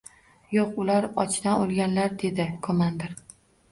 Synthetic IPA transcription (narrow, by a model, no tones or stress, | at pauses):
joqʊlaɾɒ̰t͡ʃʰnaolˠɡʲanlaɾd̪e̞d̪ɪkʰomand̪eɾ